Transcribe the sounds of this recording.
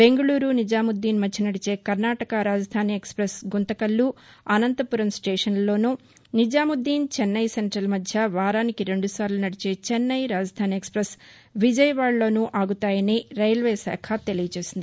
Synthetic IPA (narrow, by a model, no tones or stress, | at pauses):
be̞ŋɡɐɭuːɾunid͡ʒaːmud̪ːiːnmɐtːinɐɽit͡ʃe̞ːkɐɾnaːʈɐkɐɾaːd͡ʒɐd̪ʱaːniekspɾɐsɡunt̪ɐkɐlːuɐnɐnt̪ɐpuɾɐmsʈeːʂɐnlo̞ːnu | nid͡ʒaːmud̪ːiːnt͡ʃɛnːɐjseɳʈɾɐlmɐd̪ʱjɐʋaːɾaːnikiɾe̞ɳɖusaːɾlunɐɽit͡ʃe̞ːt͡ʃɛnːɐjɾaːd͡ʒɐd̪ʱaːniekspɾɐs | ʋid͡ʒɐjɐʋaːɭlo̞ːnuʔaːɡut̪aːjɐniːɾɐjlʋeːsa̰ːkʰɐt̪e̞lijɐt͡ʃe̞ːsind̪i